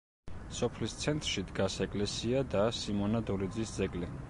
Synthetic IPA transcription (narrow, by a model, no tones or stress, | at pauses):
sɔpʰlist̪sʰɛnt̪ʼɾʃid̪ɡasɛkʼlɛsiad̪asimɔnad̪ɔɾid̪zisd̪zɛɡʼli